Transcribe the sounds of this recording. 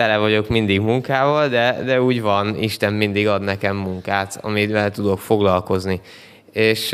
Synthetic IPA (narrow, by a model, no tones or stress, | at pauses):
t̪ɛlɛvɒɟo̞kmind̪iɡmuŋkaːvɒld̪ɛd̪ɛuːɟvɒniʃt̪ɛmmind̪iɡɒd̪nɛkɛmːuŋkaːt̪ɒ̰mivɛlt̪ud̪o̞kfo̞ɡlɒlko̞zni | eːʃ